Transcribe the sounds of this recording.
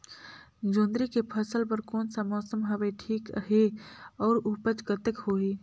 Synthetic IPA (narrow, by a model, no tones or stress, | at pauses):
d͡ʒõːnd̪ɾikepʰəsəlpəɾkoːnsamɔːsəmɦɐʋeʈʰiːkɦeɔːɾupət͡ʃɡət̪əkhoːɦiː